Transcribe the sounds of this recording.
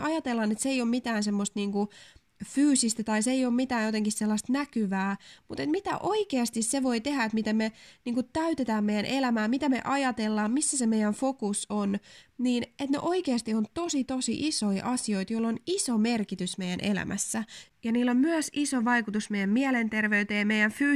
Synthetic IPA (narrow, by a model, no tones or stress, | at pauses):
ɑjɑt̪elːɑnet̪sejoːmit̪æːnsemːost̪niːŋku | fyːsist̪æt̪ɑiseejoːmmit̪æːjot̪eŋkisselːɑst̪nækyʋæːmut̪et̪mit̪æ̰ʔoikeɑst̪isseʋo̞it̪ehæet̪mit̪emmeniːŋkutt̪æyt̪et̪æːmmeijænʔelæmæːmit̪æmḛʔɑjɑt̪elːɑːmmisːæsemejænfokusonniːnet̪nḛʔoikeɑst̪iont̪osit̪osḭʔisoiʔɑsio̞it̪joilːonisomerkit̪ysmeijænʔelæ̰mʔæ̰sːæjɑniːlːommyøsisoʋɑikut̪usmejæmmiælent̪erʋeyt̪eːmeijæɱfyː